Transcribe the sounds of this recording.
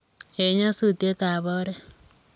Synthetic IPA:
e˨˦ɲa˦su˦˨t̪e˦t̪a˨βɔ˦ɾɛ˦

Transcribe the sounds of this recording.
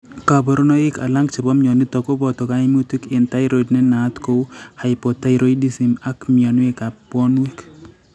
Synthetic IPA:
ka˨bɔ˨ɾo˦no˦ɪ˦ka̰˨la˦ŋɡt͡ʃi˨bɔ˦mɲɔ˨ni˦t̪ɔ˨ko˦bɔ˨t̪ɔ˨ka˦ɪ˦mu˦t̪i˦kɪ˨nta˦jɾo˨dnɛ˦na˨˦t̪ko˦ha˨jpɔ˨ta˦jɾo˦i˦di˦si˨ma˦kmi˨a˨nwe˦ka˨pɔ˦nwi˦k

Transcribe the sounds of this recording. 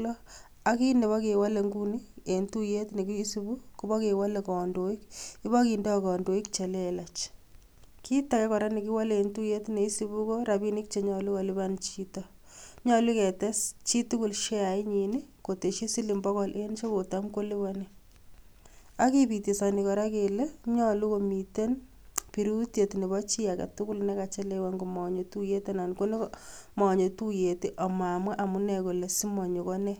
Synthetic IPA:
lɔ˦ | a˦ki˦ne˨βa˦ke˨wa˦le˨ŋɡu˦ni˦e˨ntu˦je˦tne˨ki˦sibu˦ku˦ba˦ke˨wa˦le˨kɔ˨ndo˨i˦ki˦βa˦ki˨ndɔ˦ɔ˨kɔ˨ndo˨i˦k̚t͡ʃe˨le˦la˨t͡ʃ | ki˦ta˨kɛ˦kɔ˨ɾa˦ni˨k̬i˦wa˦le˨ntu˦je˦tne˨i˦si˨βu˦kɔ˦ɾa˨bi˦nɪ˦k̚t͡ʃe˨ɲɔ˨lʊ˦ka˨lɪβa˦nt͡ʃi˦tɔ˦ | ɲɔ˨li˦kɛ˨tɛ˦st͡ʃi˦tu˦ku˨lʃe˦a˨i˦ɲi˨ni˦ko˨te˨ʃe˦si˦li˨mbɔ˦kɔ˦lʔe˦nt͡ʃo˦ko˨ta˦mko˦li˦βa˦nɛ | a˦ki˦pite˨sa˨ni˨kɔ˨ɾa˦kele˦ɲɔ˦lu˦ko˨mi˨te˦n | piɾu˦tje˨tne˨βɔ˦t͡ʃi˦a˨ka̰˨tu˦ku˦lnɛ˦ka˨t͡ʃe˦lewa˦ŋɡo˨mɔ˨ɲo˨tu˦je˦te˦na˨nko˦ne˦kmɔ˨ɲo˨tu˦je˨ti˦ʔɔ˨ma˨mwa˦ʔa˨mu˦nɛ˨ko˨le˨si˦mɔ˨ɲo˨kɔ˦nɛ˦

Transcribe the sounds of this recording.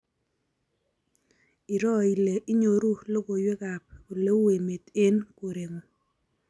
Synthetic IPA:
i˨ɾɔ˦˨i˨le˨ʔi˦ɲo˨ɾu˦lo˦ɡo˨jwe˦ka˨p̚o˨le˦u˦e˨me˨te˦nko˨ɾe˨ŋo˨

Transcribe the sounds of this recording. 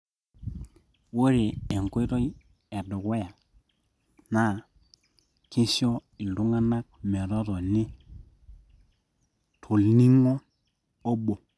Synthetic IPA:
wo˦ɾe˨e˨ŋkwe˦ɾo˦j | e˨dʊ˨kwe˦ja˨ | na˦ | kɪ˦sɔ˦ɪ˨ndu˦ŋa˦na˦k̚mɛ˨ɾɔ˦tɔ˨nɪ˦ | tʰu˨lni˦ŋɔː˦ | bo˨

